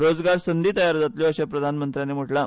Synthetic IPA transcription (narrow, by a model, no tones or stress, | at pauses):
ɾod͡zɡaɾsənd̪ʱiːt̪əjaɾd͡zat̪ljɔəɕapɾəd̪ʱanmənt̪ɾjanem̤əʈla